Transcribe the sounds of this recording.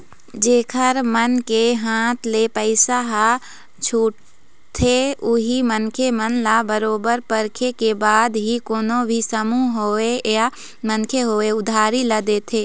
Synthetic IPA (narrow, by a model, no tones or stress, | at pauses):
d͡ʒeːkʰəɾmənkeɦãːt̪ʰleːpəɪsaɦa | t͡ʃʰuːʈ | t̪ʰeʊɦimənkʰemənlabəɾoːbəɾpəɾkʰekebaːd̪ɦikoːnobʱisəmuɦoːeja | mənkʰeɦoːeʊd̪ʱaːɾiləd̪eːt̪ʰeː